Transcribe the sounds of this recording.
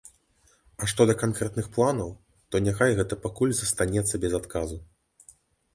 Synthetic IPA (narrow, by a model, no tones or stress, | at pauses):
ɐʂt̪ɔd̪ɐkankɾɛt̪nɨxplˠanɐw | t̪ɔnʲaxajɣɛt̪ɐpakulʲzɐst̪anʲɛt̪sːɐbʲɛzat̪kazu